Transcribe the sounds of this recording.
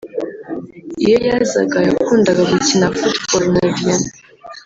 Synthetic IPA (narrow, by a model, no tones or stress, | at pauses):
ijejaza̰ɡajakʰʷundaɡaɡitʰinafutbolnavjan